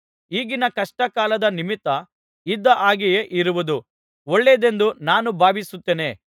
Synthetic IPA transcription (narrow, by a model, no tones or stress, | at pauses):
iːɡinɐkɐʂʈɐkaːlɐd̪ɐnimit̪ːɐ | id̪ːɐʔaːɡije̞ʔiɾuʋud̪u | oɭːed̪e̞nd̪unaːnubʱaːbisut̪ːeːne̞